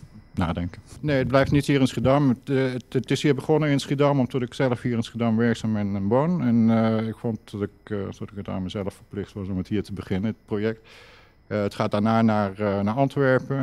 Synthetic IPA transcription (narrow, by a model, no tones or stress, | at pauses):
na̰ːdɛŋkəneːəd̚blɛjftnithiːəɹɪnsχidaməətɪshiːəbəχonəɪnsχidamɔmtʰɔtɪksɛləfhiːəɹɪnsχidamʋɛɹksaːmbɪnənʋonɛnɪkfɔnt̚dɔtɪktɔtɪkəta̰nməzɛlˠəfəɹplɪxtʋɑsɔməthiːətəbəχɪnəət̚projɛk̚t | ətχaːdaːɹnaːnarnaɹɑntʋɛɹpə